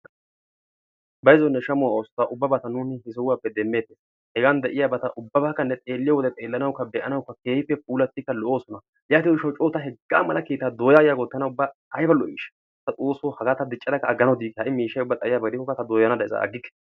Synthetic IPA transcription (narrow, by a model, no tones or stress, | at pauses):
bɐjzɔnːɛʃɐmʊwaoːstːaʔʊbːɐbɐt̪ɐnuːnɪhɪs̬ɔwwaːpːɛd̪ɛmːe̞ːt̪ːes | hɛɡand̪ɛʔɪjabɐt̪ɐʔʊbːɐbaːkːɐnːɛt̪ʼe̞ːlːɪjɐwɔd̪ɛt̪ʼe̞ːlːɐnɐwkːɐb̪ɛʔɐnɐwkːɐke̞ːhɪpːɛpuːlɐt̪ːɪkːɐlɔʔo̞ːsɔnɐ | jaːt̪ɪnɪʃɐwt͡ʃʼoːt̪ɐɦɛɡːaːmɐlɐkeːt̪ːad̪oːjaːjaːɡɔt̪ːɐnɐʊbːaʔɐjbɐlːɔʔḭːʃɐ̥ | t̪ːɐt̪ʼoːsohɐɡaːt̪ɐd̪ɪt͡ʃʼːɐd̪ɐkːɐːɡːɐnɐwd̪iːkːɛhɐʔɪmiːʃɐjʊbːɐt̪ʼɐjɪjaːbɐɡd̪ɪkːɔkːɐt̪ɐd̪oːjɐnɐd̪ɐjɪzɐ̰ʔɐ̰ɡːɪkːɛ̥